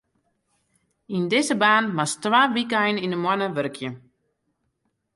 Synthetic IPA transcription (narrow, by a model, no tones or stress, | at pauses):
indɪzəbaːnmastʋaːʋikəɛjninəmwanəʋørkʰjə